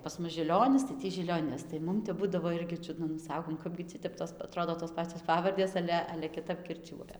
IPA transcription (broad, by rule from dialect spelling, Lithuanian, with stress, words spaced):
pɐs ˈmʊs ʒʲɪˈlʲoːnʲɪs tɐɪ ˈtʲiː ʒʲɪlʲoːˈnʲɪs tɐɪ ˈmʊm tʲɛp ˈbʊdɐʋoː ˈɪrʲɡʲɪ ˈt͡ʃʲʊdnɐ nʊ ˈsɑːkoːm ˈkɑːbʲɡʲɪ ˈtʲɪ tʲɛp toːs ɐˈtroːdoː toːs ˈpɑːt͡sʲoːs ˈpɑːʋɐrʲdʲeːs ˈɑːlʲɛ ɐlʲɛ kʲɪˈtɐp kʲɪrʲˈt͡ʃʲuɔjɛ